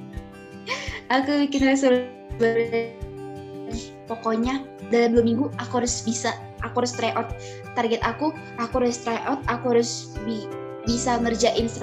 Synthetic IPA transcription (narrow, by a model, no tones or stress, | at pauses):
ʔakubikɪnhaɾʊs̬aɾ | baɾa | ɾi | pokɔɲadalamblomiŋɡuakuɦaɾʊsbisa | ʔakuhaɾʊst̪ɾaʔɔt̪̚ː | arɡɛt̪aku | akuaɾʊst̪ɾaʔɔt̪̚akuɦaɾʊsbi | bisaŋərd͡ʒaʔɪnsɾ